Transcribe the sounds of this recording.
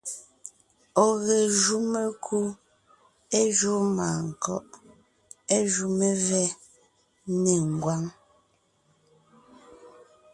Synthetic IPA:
ɔ˨ɣe˨ʒu˦me˦kʰu˦ | e˦ʒu˦ma˨ŋ̩˨kɔ̰˦˨ʔ | e˦ʒu˦me˦vɛ˦ | ne˨ŋ˨ɡwa˦ŋ

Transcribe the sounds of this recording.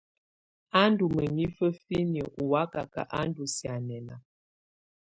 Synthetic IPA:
a˦ndu˨mə˨ɲi˦fə˦fi˦njə˨ʔu˨wa˦ka˨ka̰˨ʔa˦ndu˨sja˨nɛ˨na̰˨

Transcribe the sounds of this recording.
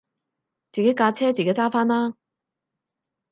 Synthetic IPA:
t͡siː˨ke˨˥jkaː˧t͡sʰɛː˥t͡si˨ke˨˥jt͡saː˥faː˥nlaː˥

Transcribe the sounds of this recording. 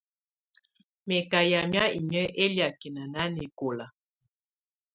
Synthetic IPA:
me˨ka˨ja˨mja˦ḭ˨ɲə˦ʔe˦lja˨ke˨na˨na˦ne˨ko˨la˨

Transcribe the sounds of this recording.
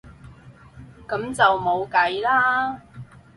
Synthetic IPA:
kɐ˨˥mt͡sɐ˨wmo˨˧wkɐ˨˧jlaː˥

